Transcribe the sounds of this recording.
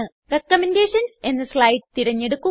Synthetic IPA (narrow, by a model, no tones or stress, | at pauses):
ɨ | rekːɐmende̞ːʂɐnse̞nːɐslɐjʈ̚t̪iɾɐɲːe̞ɽukːu